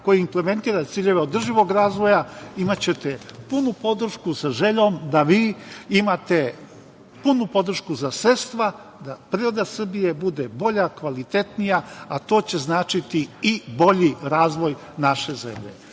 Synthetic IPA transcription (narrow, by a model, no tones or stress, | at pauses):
ko̞jiimple̞me̞nt̪iːɾat̪siːʎe̞ʋeo̞d̪r̩ʒiʋo̞ɡɾaːzʋo̞jaimat͡ɕe̞t̪epunupo̞d̪r̩ʃkusaʒe̞ʎo̞ːmd̪aʋiːimat̪e̞ | punupod̪r̩ʃkuzasɾest̪ʋa | d̪apɾiːɾo̞d̪asr̩bije̞bud̪ebo̞ʎakʋalit̪e̞t̪nijaat̪o̞ːt͡ɕe̞znaːt͡ʃit̪iibo̞ʎiɾaːzʋo̞j | naʃe̞ze̞̰mʎḛ